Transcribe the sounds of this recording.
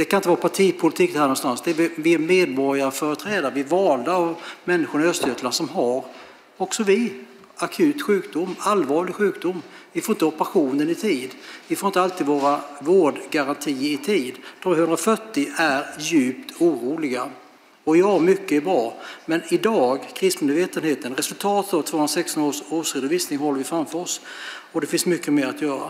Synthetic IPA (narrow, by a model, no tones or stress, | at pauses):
d̪̥ɛkʰanɪnt̪əɑːɾapʰaʈʰiːpʰʊlɪt̪ʰiːkːt̪hæɾnɔnst̪ansd̪ɛbvɪɛmeːd̪̚bɔɾjaɾəfœːɾət̪ʰɾɛːd̪aɾəvɪɛɾvɑːld̪aːvmɛnːɪɧʊɳɔœst̪œt̪laʂɔmɦaɾ | ɔksɔvɪ | akʰʉ̟ːt̪ɧʉ̟ːkd̪ʊmːalvɑːɭɪɡɧʉ̟ːkd̪ʊmːvɪfoɾɪnt̪əɔpəɾaɧuːnənɪt̪ʰiːd̪vɪfoːɾɪnt̪alt̪ʰiːd̪voːɾavoːɖɡaɾant̪ʰiːɪt̪ʰiːd̪d̪̥ʰɔvhɵnd̪ɾaɔfœʈːɪæɾjʉ̟ːpt̪ʰuːɾuːlɪɡa | ɔɪɑːmʏkːəɛɾbɾɑːmɛnɪd̪ɑːɡkʰɾɪst̪nmeːd̪veːt̪ənheːt̪ənɾɛsɵlt̪ʰɑːt̪ət̪ɔvt̪ʰvoːhɵnɾasɛkst̪ɔnoːʂoːʂɾed̪ʊviːsnɪŋɦɔlːəɾvɪfɾamfœɾɔsɔd̪ɛfɪnsmʏkːəmeːɾat̪jœːɾa̰